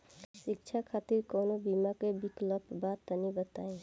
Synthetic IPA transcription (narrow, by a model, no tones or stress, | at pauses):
ʃik̚t͡ʃʰakʰat̪iɾkonobimakebiklopbat̪ənibət̪aj̃